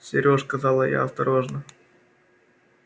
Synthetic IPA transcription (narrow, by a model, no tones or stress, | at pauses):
sʲɪɾʲoskɐzɑlˠəja̰ɐst̪ɐɾoʐnə